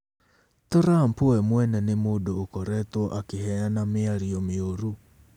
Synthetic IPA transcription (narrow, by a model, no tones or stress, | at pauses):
t̪oɾampoɛmwɛnɛnemodoːkɔɾɛtwɔʔakehɛanamɪaɾiɔmeoɾu